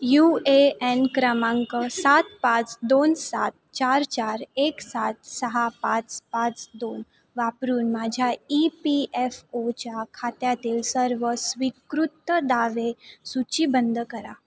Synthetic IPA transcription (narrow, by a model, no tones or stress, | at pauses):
jueɛnkɾəmãŋkəsat̪̚pat͡sd̪onsat̪̚t͡ɕaɾt͡ɕaɾeksat̪səɦapat͡spat͡sd̪on | ʋapɾuːnmad͡ʑʱjaipiɛfot͡ɕakʰat̪jat̪iːlsəɾʋəsʋikɾut̪ːəd̪aʋesut͡ɕibənd̪ʱəkəɾa